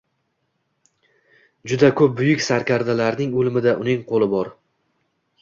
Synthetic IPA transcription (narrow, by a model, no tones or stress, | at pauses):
d͡ʒʊd̪akʰɵp̚bʊjɪkʲsaɾkʲʰaɾd̪alaɾnɪŋolmɪd̪aʔʊnɪŋqʰolˠɪbɒɾ